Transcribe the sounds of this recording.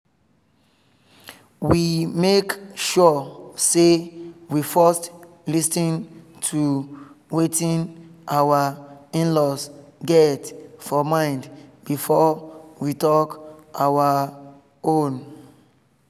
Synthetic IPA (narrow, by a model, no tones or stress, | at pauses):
wimekʃɔsewifɔst | lisĩn | tʰuwetĩnʔawaĩnlɔsɡɛtfɔmãɪ̃ndb̥ifɔwitɔkawa | õn